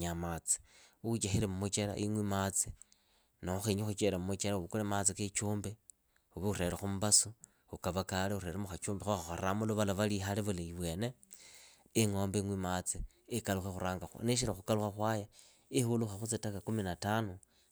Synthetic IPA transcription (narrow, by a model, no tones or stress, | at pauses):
ɲamat͡si̥uut͡ʃaxiɾemumut͡ʃela̰ʔiŋwimat͡si | nouxiɲixut͡ʃeɾamumut͡ʃeɾauβukulemat͡siket͡ʃuːmbe | uβiuɾe̞ɾexumuβasu | ukaβakaleuɾeɾemuxat͡ʃuːmbexuxaxo̰amuluβalaβalixaleβuleiβwe̞ːneː | ŋoːmbeŋwimat͡siː | kaluxexuɾaːŋɡaxṵneʃ̬iɾaxukaluxaxwaja | ihuluxaxut͡sitakakuminatanu